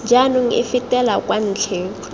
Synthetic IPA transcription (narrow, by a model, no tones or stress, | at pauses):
d͡ʒanʊŋ̩ɪ̰fitʼɛlakʼwan̩ːt͡ɬʰeː